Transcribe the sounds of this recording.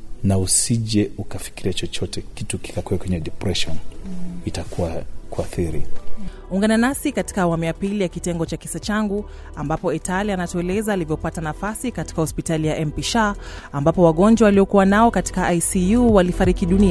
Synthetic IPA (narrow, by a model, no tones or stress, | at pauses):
nausiʄɛukafi̥kiɾiat͡ʃɔt͡ʃɔtʰɛkituki̥kakuɛkwɛɲɛɗɛpɾɛʃɔnitakʰuwakuaθiɾḭ | uŋɡananasikati̥kaːwamujapilijakitɛŋɡɔt͡ʃakisat͡ʃaŋɡu | ambapɔitalianatɔɛlɛzaːlivjɔpatanafasikati̥kahɔspitalijaʔɛmpiʃaambapɔwaɠɔnd͡ʒwawaliɔkuwanaɔkati̥kaajsijuwalifaɾikiɗunia